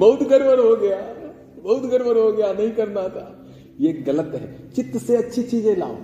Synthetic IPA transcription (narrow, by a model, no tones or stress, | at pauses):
bɐɦʊt̪ɡɐɾʋəɾɦoɡɐja | bɐɦʊt̪ɡɐɾʋəɾɦoɡɐjanɐɦĩkɐɾnat̪ʰa | jeːkɡɐlət̪ɦɛ̰ːt͡ʃɪt̪ːseɐtːʃʰit͡ʃiːzẽla̰ːo